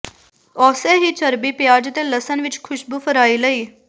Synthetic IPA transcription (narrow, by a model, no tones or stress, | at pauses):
ɔːseːɦiːt͡ʃəɾbiːpjaːd͡ʒət̪ẽːləsənʋɪt͡ʃkʰʊʃbuːfʰəɾaːiːləiː